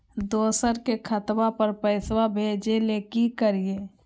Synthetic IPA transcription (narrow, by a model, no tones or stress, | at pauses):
d̪oːsəɾkekʰət̪mapəɾpəɪswabʱeːd͡ʒelekikəɾieː